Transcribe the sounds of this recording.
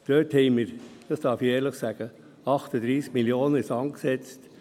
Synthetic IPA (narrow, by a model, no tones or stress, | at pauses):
d̥øːthɛɪməɾd̥ɑsd̥ɑːɾfieːɾləχsæɡ̥ə | ɑχt̪əd̪ɾiːskmiljoːnəɪsɑŋksɛt͡st